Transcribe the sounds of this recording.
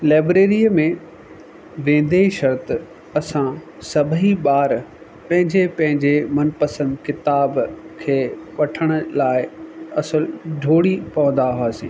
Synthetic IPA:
laːbɾeːɾijəmẽ | ʋẽːn̆d̪eʃɐɾt̪ | ɐsãsɐbʱiɓaːɾ | pɐ̃ɦɪ̃ɲd͡ʑepɐ̃ɦɪ̃ɲd͡ʑemɐnpɐsə̃nd̪kɪt̪aːbkʰeːʋɐʈʰəɽ̃ʊ̆laːɪɐsəlɖʱoːɽipɐʋə̃nd̪aɦuaːsḭ̃ː

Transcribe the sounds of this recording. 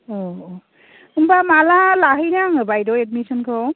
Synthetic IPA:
ɔ | ɯmbamalalaɦɯjnaŋɯbajdɔed̚misɔnkʰɯw

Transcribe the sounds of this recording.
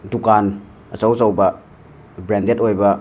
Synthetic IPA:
dukan | ɐsawzɐwbɐ | bɾɛndetojbɐ

